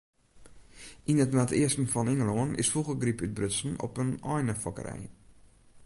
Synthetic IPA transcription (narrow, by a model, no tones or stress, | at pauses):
inətnmatɪəstən̩fɔnɪŋəloənɪ̰sfuɣərɡripyt̚brøtsən̩ɔ̰pənɔjnəfɔkə̰ɾɛ̰j